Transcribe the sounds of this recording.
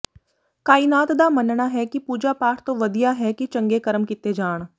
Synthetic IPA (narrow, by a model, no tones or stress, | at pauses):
kaːinaːt̪d̪aːmənnaɦɛkipuːd͡ʒapaːʈʰt̪õʋəd̪ijaɦɛkit͡ʃɐ̃ŋɡekəɾəmkɪt̪ed͡ʒaːɳ̃